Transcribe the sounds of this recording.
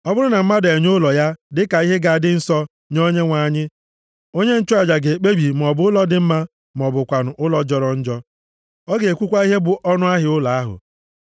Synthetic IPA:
ɔ˦bʊ˦ɾʊ˦na˨m̩˦ma˦de˨ɲʊ˦lɔ˨ja˦dɪ˦ka˨i˦ɦe˦ɡa˨dɪ˦n̩˦sɔ˦ | ɲo˦ɲe˦ŋʷa˨ɲɪ˦ | o˦ɲe˦n̩˦t͡ʃɔ˦a˨d͡ʒa˨ɡe˨k͡pe˦bi˨m̩˨ɔ˨bʊ˨˦ʊ˦lɔ˦dɪ˨m̩˦ma˦ | m˨ɔ˨bʊ˨kʷa˨nʊ˨ʔʊ˦lɔ˦d͡ʒɔ˨ɾɔ˨n̩˦d͡ʒɔ˦ | ɔ˦ɡe˨e˨kʷu˦kʷa˦i˦ɦe˦bʊ˨ʔɔ˦nʊ˦a˦ɦɪ˨˦ʊ˦la˨a˦ɦʊ̰˨

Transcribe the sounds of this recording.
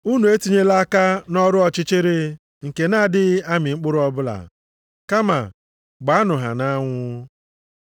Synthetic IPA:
u˦nu˨e˦tu˨ɲe˦la˦ka˦nɔ˦ɾʊ˦ɔ˨t͡ʃɪ˦t͡ʃɪ˦ɾe˨ | ŋ̩˨ke˨na˦˨dɪ˦a˦mɪ˨ŋ͡m̩˦k͡pʊ˦ɾʊ˦ɔ˦bʊ˦la̰˨ | ka˦ma̰˨ | ɡ͡ba˨˦a˦nʊ˨ɦa̰˨na˦ŋʷʊ˦

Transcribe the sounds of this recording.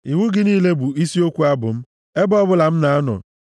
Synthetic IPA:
i˨ŋu˦ɡɪ˨˦niː˦le˦bu˨i˦si˦o˦kʷu˦a˦bʊ˨m̩˦ | e˦bɔ˦bʊ˦la˨m̩˦na˨a˦nɔ̰˨

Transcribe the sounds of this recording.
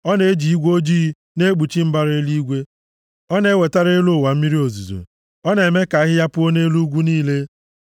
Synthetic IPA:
ɔ˦ne˨e˦d͡ʒi˨i˦ɡʷo˦d͡ʒiː˦ | ne˦ɡ͡bu˨t͡ʃi˦m̩˦ba˦ɾe˦li˦ɡʷe˦ | ɔ˦ne˦we˨ta˦ɾe˦lʊ˦˨wa˨m̩˦mi˦ɾi˦o˨zu˨zo̰˨ | ɔ˦ne˨me˦ka˨˦ɦɪ˦ja˦pʊ˦o˦ne˦lu˦ɡʷu˦niː˦le˦

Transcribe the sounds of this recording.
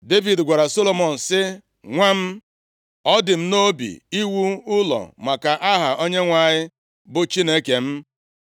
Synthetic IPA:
de˦vi˨dɡʷa˨ɾa˨so˦lo˦mɔ˨n̩˨sɪ˦ | ŋʷa˦m̩˦ | ɔ˦dɪ˨m̩˦no˦bḭ˨i˦wu˦ʊ˦lɔ̰˨ma˨ka˨ʔa˦ɦa˨ʔo˦ɲe˦ŋʷa˨ɲɪ˦ | bʊ˨t͡ʃi˦ne˦ke˨m̩˦

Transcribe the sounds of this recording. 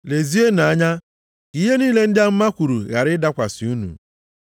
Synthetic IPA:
le˨zi˦e˦na˨a˦ɲa˦ | ki˦ɦe˦niː˦le˦n̩˦dɪ˦a˦m̩˦ma˦kʷu˨ɾṵ˨ɣa̰˨ɾɪ˦da˦kʷa˨sɪ˨˦u˦nṵ˨

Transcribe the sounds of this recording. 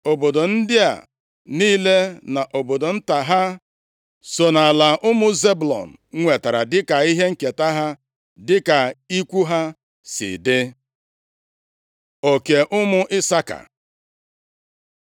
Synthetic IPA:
o˨bo˨do˨n̩˦dɪ˦a̰˨ | niː˦le˦na˨ʔo˨bo˨do˨n̩˦ta˨ɦa˦ | so˨na˨la˨ʔʊ˦mʊ˦ze˦blɔ̰˨n̩˨ŋʷe˨ta˨ɾa˨dɪ˦ka˨i˦ɦe˦ŋ̩˦ke˨ta˦ɦa˦ | dɪ˦ka˨i˦kʷu˦ɦa˦ | sɪ̰˨dɪ˦ | o˨ke˨ʔʊ˦mʊ˦ʔɪ˦sa˦ka̰˨

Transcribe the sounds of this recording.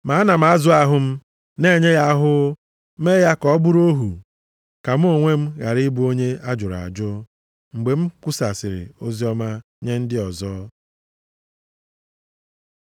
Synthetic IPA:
ma˨˦na˨m̩˨a˦zʊ˦a˦ɦʊ˨m̩˦ | ne˦˨ɲe˦ja˦ɦʊ˦ | me˦ja˦kɔ˦bʊ˦ɾo˦ɦu˨ | ka˨m̩˦o˦ŋʷe˦m̩˦ɣa˨ɾɪ˦bu˦o˦ɲe˦a˦d͡ʒʊ˨ɾa̰˨d͡ʒʊ˦ | ŋ͡m̩˨ɡ͡be˨m̩˦kʊ˦sa˨sɪ˨ɾɪ̰˨o˦zi˦ɔ˦ma˦ | ɲe˦n̩˦dɪ˦ɔ˨zɔː˦

